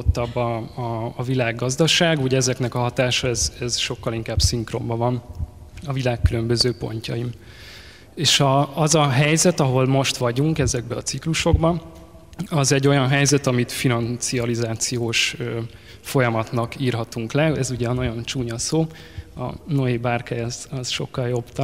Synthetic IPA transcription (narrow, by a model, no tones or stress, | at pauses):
t̪ːɒbːɒɒːvilaːɡːɒzd̪ɒʃaːɡuɟɛɛzɛknɛkɒɦɒt̪aːʃɒɛzɛzʃo̞kːɒliŋkaːbsiŋkro̰mbɒvɒnɒvilaːkːylø̞mbø̞zøːpo̞̰ɲcɒim | eːʃɒɒzɒɦɛjzɛt̪ɒɦo̞lmo̞ʃt̪ʋɒɟuŋkɛzɛɡ̚bɛɒt̪sikluʃo̞ɡbɒ | ɒzɛɟːo̞jɒnɦɛjzɛt̪ɒmit̪finɒnt̪sijɒlizaːt̪sijoːʃ | fo̞jɒmɒt̪nɒkiːrɦɒt̪uŋklɛɛzuɟɛːnɒɟo̞nt͡ʃuːɲɒsoː | ɒ̰no̞eːbaːrkɛjɒzɒz̥ʃo̞kːɒljo̞b̥t̪